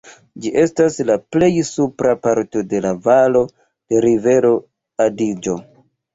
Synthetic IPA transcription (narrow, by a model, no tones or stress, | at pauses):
d͡ʒiʔe̞staslaple̞jsupɾapaɾto̞de̞lavalo̞ | d̥e̞ɾive̞ɾo̞ | adid͡ʒo̞